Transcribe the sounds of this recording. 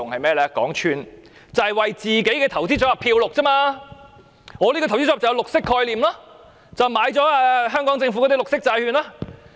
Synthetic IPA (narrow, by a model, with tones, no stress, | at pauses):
ʊ˨ŋhɐ˨jmɛː˥lɛː˧kɔː˨˥ŋt͡ʃʰyː˧n | t͡sɐ˨hɐ˨jwɐ˨jt͡siː˨˩ke˨˥jkɛː˧t̪ʰɐ˨˩wt͡siː˥t͡ʃɔː˨˥ɐ˨pʰiː˧wlʊ˨k̚t͡sɐ˥maː˧ | ŋɔː˨˧liː˥kɔ˧t̪ʰwt͡si˥ɔː˧˥˩t͡sɐ˨jɐ˧lʊ˨k̚sɪ˥kʰːɔː˧jliː˨˩mlaː˥ | t͡sɐ˨wmaː˨˧˥jt͡sɔː˨˥a˧ɦœː˥ŋkɔː˨˥ŋt͡sɪ˧ŋfu˧˥ɔ˨˧˥i˥lʊ˨k̚sɪ˥k̚t͡saː˧jhyː˧nlaː˥